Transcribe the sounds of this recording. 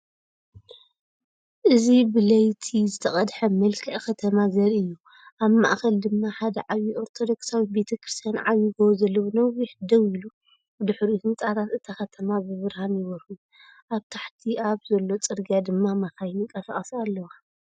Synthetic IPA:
ʔɨzibɨlɐjt̪ʰizɨt̪ʰɐχʼɐd̪ħɐmɐlkʰɐʔkɐt̪ʰɐmazɐɾiɨjːu | ʔaβma̰ʔxɐld̪ɨmːaħad̪ɐʕaβiʔo̞ɾt̪ʰo̞d̪o̞ksawibe̞t̪ʰɐkʰɾɨst̪ʰijanʕaβjiɡowzɐlːɐwonɐwiħd̪ɐwilu | bɨd̪ɨħɾihɨnt͡s̪ʼaɾat̪ɨt̪ʰɐxɐt̪ʰɐmabɨβɨɾhanjɪβɐɾhuju | ʔaβt̪ʰaħt̪ʰiaβzɐlːo̞t͡sʼɨɾɡijad̪ɨmːamaxajnikʼɐsɐχʼɐsalːɐwa

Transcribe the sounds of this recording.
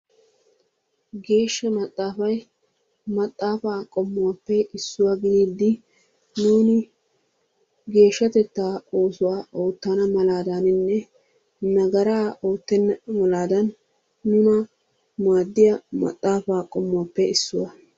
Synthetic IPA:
ɡe̞ːʃːɐmɐt̪ʼːaːfɐj | mɐt̪ʼːaːfaːkʼɔmːʊwaːpːɛʔɪsːʊwaɡɪd̪iːd̪ːɪ | nuːnɪ | ɡe̞ːʃːɐt̪ɛt̪ːaːo̞ːsʊwaːʔo̞ːt̪ːanɐmɐlaːd̪anɪnːɛ | nɐɡɐɾaːo̞ːt̪ːɛnːɐmɐlaːd̪ɐnː | ʊnɐ | maːd̪ːɪjɐmɐ̰t̪ʼːaːfaːkʼɔmːʊwaːpːɛɪsːʊwɐ

